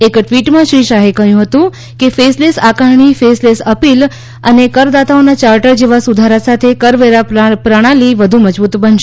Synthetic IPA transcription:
ekʈʋiʈmãʃiʃaɦekəɦjũɦət̪ũ | kefeslesakaɾɳ̃ifeslesəpil | ənekəɾd̪at̪aonat͡ʃaɾʈəɾd͡ʒeʋasud̪ʱaɾasat̪ʰekəɾʋeɾapɾəɽ̃aliʋəd̪ʱuməd͡ʒbut̪bənʃ

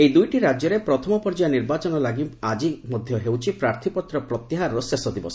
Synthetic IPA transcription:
ejd̪ujʈiɾad͡ʒjɔɾepɾɔt̪ʰɔmɔpɔɾd͡ʒajniɾbat͡ʃɔnɔlaɡiad͡ʒimɔd̪ʱjɔɦewt͡ʃʰipɾaɾt̪ʰipɔt̪ɾɔpɾɔt̪iɦaɾɔɾɔsesɔd̪ibɔsɔ

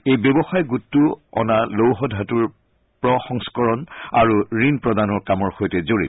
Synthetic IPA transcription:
ejbebɔxajɡutːuɔ̰nalowɦɔdʱatuɹ | pɹɔxɔŋskɔɹɔna̰ɹuɹinpɹɔdanɔɹkamɔɹxojtɛzoɹḭt

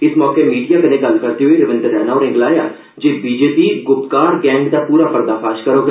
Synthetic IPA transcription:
ɪsmɔːkemiːɖijaːkənẽːɡəlkəɾd̪eːɦoeɾɪʋɪ̃nd̪əɾɛːnaːɔːɾɪ̃ːŋɡlaːjaː | d͡ʒeːbiːd͡ʒeːpiːɡʊpkaːɾɡɛ̃ːŋɡd̪aːpuːɾaːpəɾd̪aːpʰaːʃkəɾõːɡa

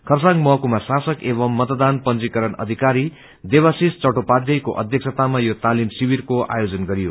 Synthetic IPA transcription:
kʰʌrsãŋɡmʌɦkumasasʌkeβʌmːʌt̪d̪anpʌnd͡zikʌɾʌnʌ̰d̪ʱikaɾi | d̪ebasist͡sʌʈopad̪jʌjkoʔʌ̰d̪ʱjʌksʌt̪amajot̪alimsibirkoa̰jod͡zʌnɡʌɾijo

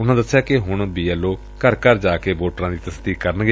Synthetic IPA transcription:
ʊnãːd̪əsːjaːkɪɦʊɳbiːɛːloː | kəɾkəɾd͡ʒaːkeːboːʈɾãːd̪iːt̪əsd̪iːkkəɾənɡe

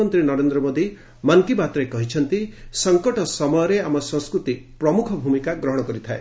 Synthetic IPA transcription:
ɔnt̪ɾinɔɾend̪ɾɔmod̪i | mɔnt̪ibat̪ɾekɔɦit͡ʃʰʌnt̪isɔŋkɔʈɔsɔmɔjɔɾeamɔsɔ̃ŋskɾut̪ipɾɔmukʰɔbʱumikaɡɾɔɦɔɽ̃ɔkɔɾit̪ʰaḛ

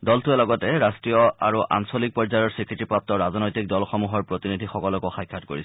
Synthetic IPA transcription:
dɔltuɛlɔɡɔtɛɹastɹijɔa̰ɹuʔa̰nsolik̚pɔɹzajɔɹsɹikɹitipɹap̚tɔɹaznojtik̚dɔlxɔmuɦɔɹpɹotinidʱixɔkɔlɔkɔxajkʰːatkoɹisɛ

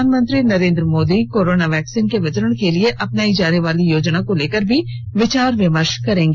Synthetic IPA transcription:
aːnmə̃nt̪ɾinəɾẽːnd̪ɾəmoːd̪ikoːɾoːnaʋɛːksiːnkeʋɐt͡ʃɾəɽ̃kelɪeʔɐpnaːid͡ʒaːneʋaːlijoːd͡ʒnakõleːkəɾbʱi | ʋɪt͡ʃaːɾʋɪməɾʃkɐɾẽːɡeː

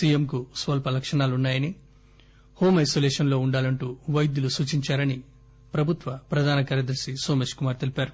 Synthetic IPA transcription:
siːjemkusʋɐlpɐlɐkʂɐɳaːlunːaːjɐni | ho̞ːmɐjsoːleːʂɐnlo̞ːuɳɖaːlɐɳʈuːʋɐjd̪julusuːt͡ʃiɲt͡ʃaːɾɐni | pɾɐbʱut̪ʋɐpɾɐd̪ʱaːnɐkɐːɾjɐd̪ɐɾsisoːmeːʃkumaːɾt̪elipaːɾu

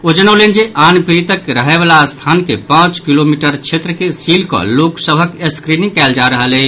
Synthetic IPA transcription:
od͡ʒənolend͡ʒeʔanpɾit̪əkɾəɦɛbalast̪ʰankepãt͡ʃkilomiʈəɾt͡ʃʰet̪ɾəkesilkɔ̰loksəbʱəkeskɾinĩŋkɛld͡ʒaɾəɦəlɛ

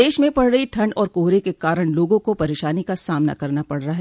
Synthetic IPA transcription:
eːʃmẽpɐɽɾəɦiʈʰɐ̃ɳɖɔːɾkoːɦɾekekaːɾəɽ̃loːɡõkopɐɾeːʃaːnikasaːmna̰kɐɾnapɐɽɾaɦɛ

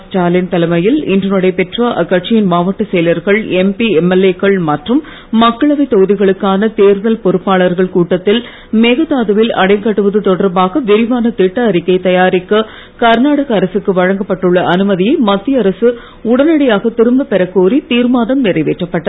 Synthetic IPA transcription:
ʈaːlɪnt̪ɐlɐmɐjɪlɪ̰ndrɐnɔɽɐɪpɛʈraʔɐkːɐʈ̚t͡ʃɪjɪnmaːʋɐʈːɯsɛjlɐɾɣɐɭɛmpiɛmɐleːkɐɭmɐʈrɯmː | ɐkːɐɭɐʋɐɪt̪ːɔɣɯðɪɣɐɭɯkːaːnɐt̪eːɾðɐlpɔɾɯpːaːɭɐɾɣɐɭkuːʈːɐt̪ːɪl | meːɣɐt̪aːðɐʋɪlɐ̰ɽɐɪŋkɐʈːɯʋɐðɯt̪ɔɽɐɾbaːɣɐʋɪɾɪʋaːnɐt̪ɪʈːɐɐɾɪkːɐɪt̪ɐjaːɾɪkːɐ | kɐɾnaːɽɐɣɐːɾɐsɯkːɯʋɐɻɐŋɡɐpːɐʈːɯɭːɐʔɐnɯmɐðɪjɐɪmɐt̪ːɪjɐɐɾɐsɯ | ʊɽɐnɐɽɐjaːɣɐt̪ɪɾɯmbɐpɛɾɐkːoːɾit̪iːɾmaːðɐmnɪrɐɪʋeːʈrɐpːɐʈːɐð

